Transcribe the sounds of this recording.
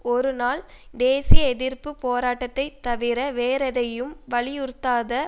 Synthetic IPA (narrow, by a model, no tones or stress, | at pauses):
ɔɾɯnaːl | d̪eːsɪjɐɛðɪrpɯpoːɾaːʈːɐt̪ːɐɪt̪ːɐʋɪɾɐʋeːɾɐðɐjɯmʋɐɭɪjʊɾt̪ːaːðɐ